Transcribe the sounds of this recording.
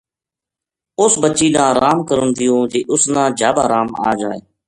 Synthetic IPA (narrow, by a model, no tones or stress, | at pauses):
ʊsbəʃiːɗ̪ãːɾaːmkəɾʊnd̪ɪjõːd͡ʒeːʔʊsnãːd͡ʒaːbaːɾaːma̰ːd͡ʒaːḛː